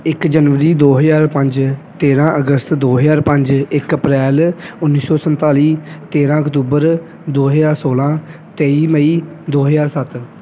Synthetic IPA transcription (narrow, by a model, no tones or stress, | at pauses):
ɪkd͡ʒənʋəɾiːd̪oːɦəzaːɾpə̃ɲd͡ʒt̪eːɾãːʔəɡəst̪d̪oːɦəjaːɾpə̃ɲd͡ʒɪkəpɾɛːlʊnːiːsɔːsənt̪aːliːt̪eːɾãːəkt̪uːbəɾ | d̪oːɦəzaːɾsoːlãː | t̪eːiːməiː | d̪oːɦəzaːɾsət̪